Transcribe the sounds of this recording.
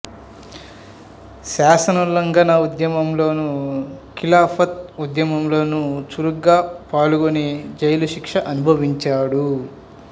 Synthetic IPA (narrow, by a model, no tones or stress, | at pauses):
ʃaːsɐnɐlɐŋɡɐnɐud̪jɐmɐmlo̞ːnukilaːpʰɐt̪̚ud̪jɐmɐmlo̞ːnut͡ʃuɾuɡaːpaːluɡoned͡ʒɐjɐluʃikʂɐʔɐnubʱɐʋiɲt͡ʃaːɽu